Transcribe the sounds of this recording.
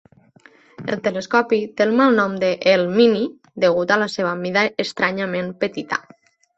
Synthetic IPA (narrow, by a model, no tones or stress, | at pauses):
ḛlˠt̪eleskɔpit̪elˠmalˠnɔmd̪əʔelmini | d̪əɣut̪alaseβ̞amiðaest̪ɾaɲamẽmpət̪it̪a̰